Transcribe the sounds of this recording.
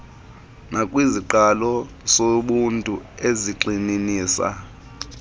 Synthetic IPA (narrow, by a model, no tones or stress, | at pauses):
nakʼwiziǃalɔ | soɓuntʼṵeziǃininiːsa̰